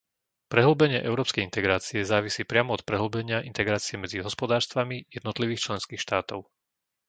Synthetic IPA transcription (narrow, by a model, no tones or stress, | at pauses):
pɾɛɦl̩bɛɲɪɛʔɛʊɾɔːpskɛjint̪ɛɡɾaːt͡siɛzaːʋisiːpɾɪamɔɔt̪̚pɾɛɦl̩bɛɲɪaʔint̪ɛɡɾaːt͡siɛmɛd͡ziɦɔspɔd̪aːɾst̪ʋamijɛd̪nɔt̪liʋiːxt͡ʃlɛnskiːxʃt̪aːt̪ɔʊ